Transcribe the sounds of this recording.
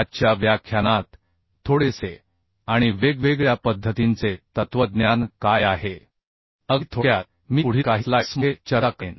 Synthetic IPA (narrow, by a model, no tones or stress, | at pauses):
atːɕjaʋjakʰːjanat̪ʰː | oɽese | aɽ̃iʋeɡʋeɡɭjapəd̪ʱːət̪int͡set̪ət̪ʋəd̪njankajaɦe | ət̪ʰoja | miːuɽ̤iːkaɦilasmet͡ɕəɾaken